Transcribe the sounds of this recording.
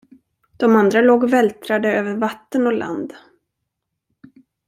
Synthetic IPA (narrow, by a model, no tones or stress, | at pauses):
d̪̥ɔmand̪ɾaloːɡvɛlt̪ɾad̪əøːvəɾvat̪ːənɔlʔa̰nd̪